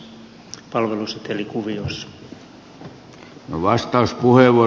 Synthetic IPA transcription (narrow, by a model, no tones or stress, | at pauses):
pɑlʋeluset̪elikuʋiosː | noʋɑst̪ɑuspuheʋo